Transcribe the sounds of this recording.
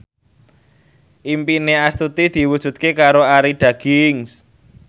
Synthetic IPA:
ʔimpineast̪ut̪id̪̥i̤wud̥ʒ̥ṳt̪̚kekaɾoaɾiɖ̪̥ä̤ɡ̥ɪŋs

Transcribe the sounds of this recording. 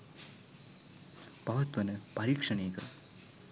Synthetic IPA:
pɐʋɐt̪ʋɐnɨpɐɾiːkʂɐɳiːkɐ

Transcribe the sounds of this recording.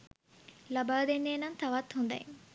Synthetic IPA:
labaːd̪enːeːnɐŋt̪aʋat̪hund̪ɐ̰jeŋ

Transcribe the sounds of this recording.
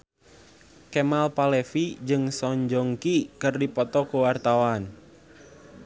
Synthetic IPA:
kɛmalpalɛfid͡ʒɨŋsɔɲd͡ʒɔŋkikɨrdipɔt̪ɔkuwart̪awan

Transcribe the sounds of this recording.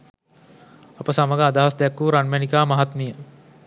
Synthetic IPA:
ɐpɐsamɐɡaːd̪ʱaɐsd̪jakːuɾaːnmjanikaːmɐɦat̪mijə

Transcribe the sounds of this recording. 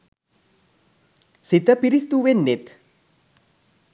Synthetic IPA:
sit̪əpiɾist̪uʋenːet̪

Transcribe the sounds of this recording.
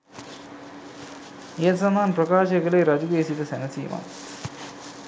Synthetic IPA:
eːt̪sɐmaːnpɾɐkaːʃɐkɐleːɾɐd͡ʒuɡeːsit̪ɐsɛnɐsḭːma̰

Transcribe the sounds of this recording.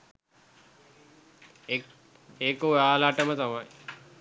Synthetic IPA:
eːkoaːlaʈəmət̪amaj

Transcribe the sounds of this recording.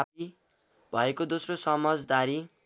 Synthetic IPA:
api | bʱʌekod̪osrosʌmʌd͡zd̪aɾi

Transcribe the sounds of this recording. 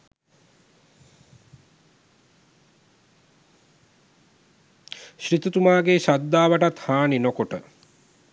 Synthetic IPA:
ɕɾit̪ut̪umaːɡeʃad̪ːaːʋəʈat̪haːninokoʈə

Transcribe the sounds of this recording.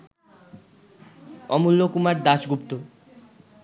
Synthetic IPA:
ɔmulːokumaɾd̪aʃɡupt̪o

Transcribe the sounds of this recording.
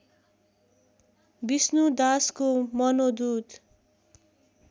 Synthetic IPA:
bisnud̪askomʌnod̪ud̪

